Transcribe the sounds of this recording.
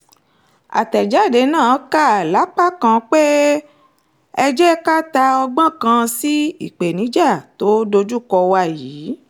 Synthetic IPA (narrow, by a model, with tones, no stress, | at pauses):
a̰˨tɛ˨d͡ʒa˨˦˨de˨˧˦nã˦˨˦ka˦˨a˨la˨˦k͡pa˦kã˧k͡pe˦ | ɛ˧d͡ʒɛ˦ka˦ta˧ɔ˧ɡ͡bã˦kã˧si˦i˦˨k͡pe˨nĩ˨˦d͡ʒa˦˨to˨˦do˧d͡ʒu˦˨kɔ˧wa˦˨jiː˨˦